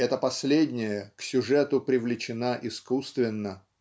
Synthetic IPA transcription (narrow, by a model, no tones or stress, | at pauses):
ɛt̪əpɐsʲlʲedʲnʲɪjəksʲʊʐɛt̪ʊpɾʲɪvlʲɪt͡ɕɪnaʔɪskust̪vʲɪnːə